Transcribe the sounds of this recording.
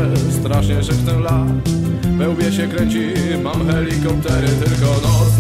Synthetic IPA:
st̪ɾaʂɲɛʐɛkt̪ɛla | vɛwbʲjɛɕɛkɾɛɲt͡ɕi | mamxɛlʲikɔp̚t̪ɛɾɪt̪ɘlkɔnɔ

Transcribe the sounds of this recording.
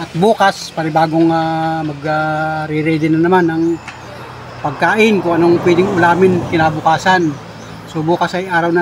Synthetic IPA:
ʔɐt̪̚buːkaspaɾɪbaːɡoŋamɐɡaɾɪɾɛd̪ɪnɐnɐmanɐŋ | pɐɡ̚kaːʔɪnkʊŋɐnoŋpwɛd̪ɪŋʊlaːmɪnkɪnaːbʊkaːsan | sobuːkɐsɐjʔaːɾɐwnɐ

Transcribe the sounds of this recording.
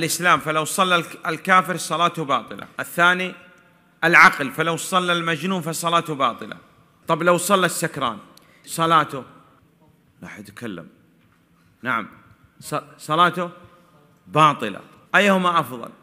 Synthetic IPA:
ɪlʔɪslaːmfalawsˤɑlːaɪlkaːfɪɾsˤɑlɑːt̪ʊbɑːt̪ˤɨla̰ʔɪθːaːni | ʔɪlʕaqlfalawsˤɑlːalmad͡ʒnuːnfɑsˤɑlɑːt̪ʊbɑːt̪ˤɨla̰ | t̪ˤɑblawsˤɑlːasːakɾˤɑ̰ːn | sˤɑlɑːt̪ʊ | ɾɑ̰ːħat̪kalːa̰m | naʕa̰m | sˤsˤɑlɑːt̪ʊ | bɑːt̪ˤɨla̰ | ʔajːhʊmaʔɑfðˤɑ̰l

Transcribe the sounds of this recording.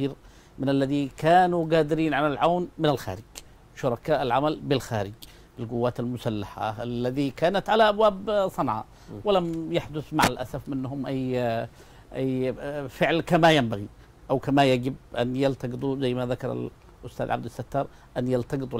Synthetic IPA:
iːɾ | mɪnalːaðikʰaːnuɡaːd̪ɪɾiːnʕalalʕawnmɪnalxa̰ːɾɪd͡ʒ | ʃʊɾˤɑkaːʔalʕamalbɪlxaːɾɪd͡ʒ | ɪlɡʊwːaːt̪almʊsalːaħa̰alːaðikaːnat̪ʕalaʔabwaːbsˤɑnʕa̰ | wɪlamjaħd̪ʊθmaʕalʔasafmɪnːhʊmʔajː | ʔajːfɪʕlkamajambaɣi | ʔawkamajaɡɪbʔanjalt̪ɑɡɨt̪ˤuzajːmaðakɑ̰ɾˤa̰l | ʔʊst̪a̰ːd̪ʕab̚d̪asːat̪ːɑːɾˤ | ʔanjalt̪ɑɡɨt̪ˤ

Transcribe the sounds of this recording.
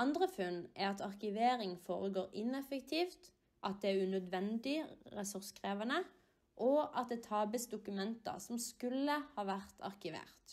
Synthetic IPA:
ɑnd̪ʁəfʉnɛʁɑt̪ɑʁkɪʋeːɾɪŋfo̰ːʁəɡoːɾɪnɛfəkt̪ʰiːft̪ | ʔɑt̪̚d̪ɛæʁʉnœd̪ʋɛnd̪ɪʁɛsʉʁskʰʁeːʋɑnə | ʔɔʔɑt̪̚d̪eːt̪ʰɑːbəsd̪ʊkʉmɛnt̪ɑ̰sɔmskʉlːəhɑːʋæʁt̪ʰɑ̰ʁkɪʋḛːʁt̪

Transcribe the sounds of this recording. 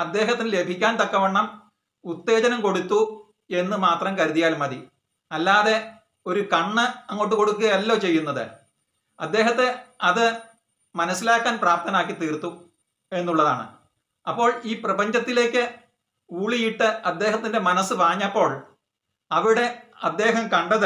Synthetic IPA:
ɐd̪ːe̞ːɦɐt̪ːinɨle̞bʱikʲːaːnt̪ɐkːɐʋɐɳːɐm | ut̪ːe̞ːd͡ʑɐnɐmko̞ɽut̪ːu | e̞nːɨmaːt̪rɐmkɐɾuðijaːlmɐði | ɐlːaːðe̞ | o̞ɾukɐɳːɨɐŋːo̞ːʈ̬ːuko̞ɽukːuɣɐjɐlːo̞ːt͡ɕe̞jːunːɐðɨ̰ | ɐ̰d̪ːe̞ːɦɐt̪ːeɐðɨ | mɐnɐsːilaːkːaːnpraːp̚t̪ɐnaːkːit̪ːiːrt̪ːu | e̞nːuɭːɐða̰ːɳɨ̰ | ɐpːo̞ːɭiːprɐbɐɲd͡ʑɐt̪ːile̞ːkʲːɨ | uːɭijiʈːɨɐd̪ːe̞ːɦɐt̪ːinde̞mɐnɐsːɨʋaːɲːɐpːo̞ːɭ | ɐʋiɽe̞ɐd̪ːe̞ːɦɐmkɐɳɖɐðɨ

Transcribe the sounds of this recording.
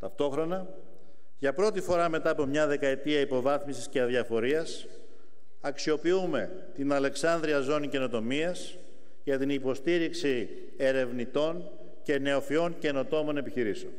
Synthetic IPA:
t̪ɐft̪o̞xɾo̞nɐ | ʝɐpɾo̞t̪ifo̞ɾɐme̞t̪ɐːpo̞mɲɐðe̞kɐe̞t̪iɐipo̞vɐθmisisceɐðjɐfo̞ɾiɐs | ɐksio̞piume̞ | t̪inɐle̞ksɐnðɾiɐzo̞nice̞no̞t̪o̞miɐs | ʝɐt̪inipo̞st̪iɾiksi | e̞ɾe̞vnit̪o̞ɲ | ce̞ne̞o̞fio̞ɲce̞no̞t̪o̞mo̞ne̞piçiɾiseon

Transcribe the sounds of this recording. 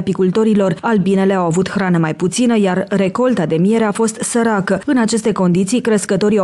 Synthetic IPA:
pikult̪o̞ɾilo̞ralbine̞leawavut̪xɾanəmajput̪sinəjarre̞ko̞lt̪ad̪e̞mije̞ɾe̞afo̞st̪səɾakəɨnat͡ʃe̞st̪e̞ko̞nd̪it̪sijkɾeskət̪o̞ɾia

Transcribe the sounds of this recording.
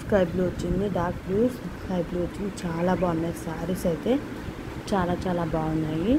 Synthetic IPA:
kɐjbloːt͡ʃinːiɖaːk̚luːskɐjbloːt͡ʃint͡ʃaːlabaːnɐsaːɾisɐt̪e | t͡ʃaːlat͡ʃaːlabawnai

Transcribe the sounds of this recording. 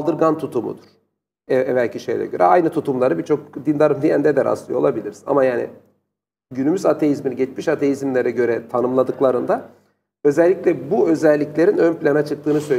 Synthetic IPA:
lˠd̪ɯɾɡant̪ʰut̪ʰumṵd̪uɾ̥ | ɛɛvælʲcʰiʃejlʲɛ̰ɟø̞ɾɛ̰ajnɯt̪ʰut̪ʰumlˠaɾɯbit͡ʃʰo̞k̚d̪ind̪aɾɯmd̪ijænd̪ed̪æɾa̰slˠɯjolˠabilʲiɾsa̰majaːnḭ | ɟynymyzat̪ʰe̞jizminiɟɛt͡ʃmiʃat̪ʰejizmlʲeɾɛɟø̞ɾɛt̪ʰanɯmlˠad̪ɯklˠaɾɯnd̪a | øzɛlʲːiclʲɛbuø̞zɛlʲːiclʲe̞ɾinønplʲanat͡ʃʰɯk̚t̪ʰɯːnɯsø̞jl

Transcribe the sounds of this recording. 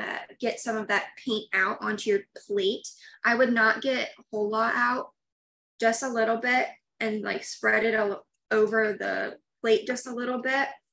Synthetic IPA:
ʌ̰ɡ̥ɛtsʌ̃mʌvðɨt̚pʰẽɪ̃ntaʊɾʔɑ̃ntʰʉfleɪt̚ʔaɪwɨdⁿnət̚ɡ̥ɛɾ̚hoʊlˠɔɾaʊt̚ | d̥ʒ̥ʌstəlɪɾl̩ˠbɪt̚ | ɨ̃nla̰ɪkspɹɛɾɨɾə | oʊvə˞ðə̰fleɪt̚d̥ʒ̥ʌstəlɪɾl̩ˠbɪt̚

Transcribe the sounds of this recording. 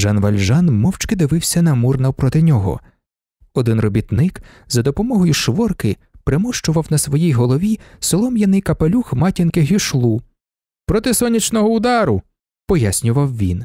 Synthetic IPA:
ʒɑnʋɐlʲʒɑnmɔwt͡ʃkɪd̪ɪʋɪwsʲɐnɐmurnɐwpɾɔt̪ɪnʲɔɦɔ̰ | ɔd̪ɪnrɔbʲit̪nɪk | zɐd̪ɔpɔmɔɦɔjʊʃʋɔrkɪ | pɾemuʃt͡ʃʊʋɐwnɐsʋɔjijɦɔlˠɔʋʲisɪlˠɔmjɐnɪjkɐpelʲuxmɑtʲinkɪɦʲiʃlˠu | pɾɔt̪ɪsɔnʲit͡ʃnɔɦɔʊd̪ɑɾʊ | pɔjasʲnʲʊʋɐwʋʲin

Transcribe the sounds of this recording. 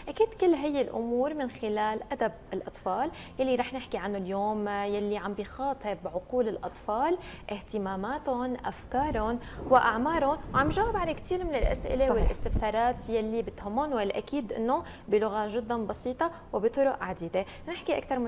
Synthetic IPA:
ʔakiːd̪kɪlːɦɪjːɪlʔʊ̰muːɾmɪnxɪlaːlʔad̪ab̚ɪlʔɑt̪ˤfɑːljalːiɾˤɑːħnɪħkiʕanːʊljoːmjalːiʕambɪjxɑːt̪ˤɨbʕʊquːlɪlʔɑ̰t̪ˤfɑːlʔɪht̪ɪmaːmaːt̪ʊnʔa̰fkɑːɾˤʊnwɪʔaʕmɑːɾˤʊnʕambʒaːwɪbʕalakt̪iːɾmɪnɪlʔa̰sʔɪ̰lewɪllʔɪ̰st̪ɪfsɑːɾˤɑːt̪jalːibɪt̪hʊmːʊnwɪlʔa̰kiːd̪ʔɪ̰nːo | bilʊɣaʒʊd̪ːanbɑsiːt̪ˤɑ | wɪbit̪ˤʊɾʊʔʕad̪iːd̪e | nɪħkiʔakt̪ɑɾˤ

